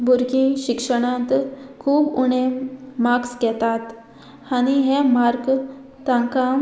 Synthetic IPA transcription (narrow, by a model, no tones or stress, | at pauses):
bʱuɾkĩɕikʂəɽ̃ãnt̪kʰuːbuɳemakskɛt̪at̪ | añiɦemaɾk | t̪ãŋka